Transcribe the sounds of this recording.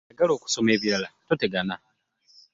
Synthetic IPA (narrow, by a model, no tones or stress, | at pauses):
eɡalo̞ːku̥so̞me̞ːβiɾalatoteɡana